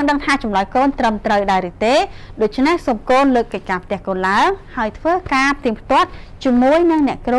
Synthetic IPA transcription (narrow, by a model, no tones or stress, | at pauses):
ɨŋɗəŋt̪ʰaːt͡ɕɑmlɑjkoːnt̪rəmt̪rəwɗaɛlɾɨt̪eːɗoːc̚t͡ɕʰnehsomkoːnləːkːəc̚kaːpʰt̪ɛ̆əhkoːnlaəŋhaəjt̪ʰʋəːkaːpʰt̪iəmpʰt̪ŏət̪̚t͡ɕiəmuəjnɨŋnɛ̆əʔkro